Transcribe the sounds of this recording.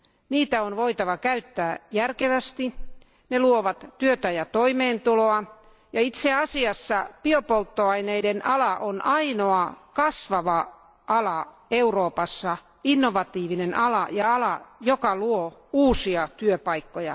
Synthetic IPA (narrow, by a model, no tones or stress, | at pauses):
niːt̪æonʋoit̪ɑʋɑkæyt̪ːæːjærkeʋæst̪i | neluoʋɑt̪t̪yøt̪æjɑt̪oimeːnt̪uloɑ | jɑit̪seɑsiɑsːɑpiopolt̪ːoɑineidenʔɑlɑʔonʔɑinoɑkɑsʋɑʋɑ | ɑlɑ | euroːpɑsːɑ | inːoʋɑt̪iːʋinenʔɑlɑjɑɑlɑjokɑluouːsiɑt̪yøpɑikːojɑ̰